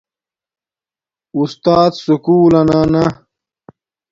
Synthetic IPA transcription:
ust̪aːd̪sukuːlɐnana

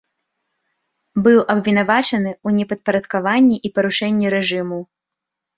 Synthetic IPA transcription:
bɨwʔɐbvʲinavat͡ʂɐnɨunʲɛpɐt̪̚pɐɾɐt̪kavanʲːiʔipɐɾuʂɛnʲːiɾɛʐɨmu

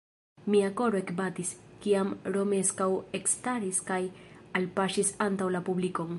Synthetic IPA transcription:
miakoɾoekbat̪iskiamɾomeskawekst̪aɾiskajalpaʃisant̪awlapublikoŋ

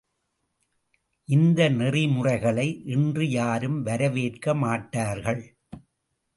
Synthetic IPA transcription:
ʔɪnd̪ɐnɪrɪmʊrɐɪɣɐɭɐɪʔɛndrɯjaːɾɯmʋɐɾɐʋeːʈkɐmaːʈːaːɾɣɐɭ

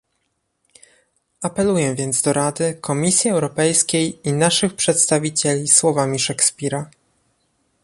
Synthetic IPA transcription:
apɛlujɛvʲjɛnd̪zd̪ɔɾad̪ɘkʰɔmʲisʲjiɛwɾɔpɛjskʲejinaʂɘxpʂɛt̪st̪avʲit͡ɕɛlʲiswɔvamʲiʂɛkspʲiɾa

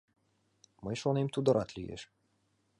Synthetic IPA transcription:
mɨʃɔnimt̪ud̪ɔɾʔat̪lʲijḛʃ

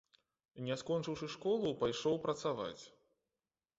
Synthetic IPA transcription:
nʲɛskɔnt͡ʂɨwʂɨʂkɔlˠupajʂɔwpɾɐt̪sava̰t͡sʲ

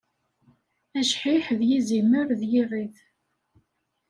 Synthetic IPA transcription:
æʃħiħðjizimːəɾðjirˤːiθ

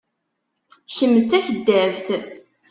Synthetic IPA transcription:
çəmːət͡sːæçəd̪ːəɾəvθ

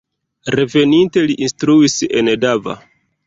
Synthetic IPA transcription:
ɾe̞ve̞ninte̞liʔinstɾuisḛndava̰

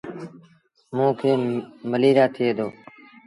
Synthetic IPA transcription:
mũːkʰeːməliːɾaːt̪ʰɪeːd̪oː

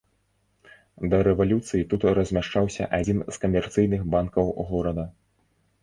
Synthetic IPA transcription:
d̪ɐɾɛvalʲut̪sɨjit̪ut̪rɐzʲmʲaʂt͡ʂawsʲɐ̰ʔad͡zʲinskɐmʲɛrt̪sɨjnɨxbankɐwɣɔɾɐd̪ɐ

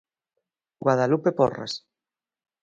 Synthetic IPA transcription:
ɡwaðalupepo̰ra̰s

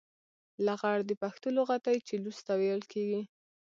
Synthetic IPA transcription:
laɣaɽd̪əpaxt̪əloɣat̪ajt͡ʃelust̪awejəlkʰeɡi

